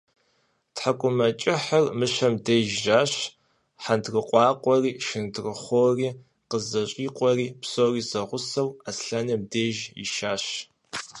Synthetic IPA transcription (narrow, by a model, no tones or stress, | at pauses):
tħakʷʼʊmɐt͡ʃʼɪħarmɨɕɐmdeːʒʒaːɕ | ħandrɨqʷʼɑːqʷʼɔriːʃɪndrɨχʷoːriː | qəzɐɕʼiːqʷʼɔriːpsoːriːzɐʁʷʊsɐwasɬɐnɐmdeːʒɪ̰ʃaːɕ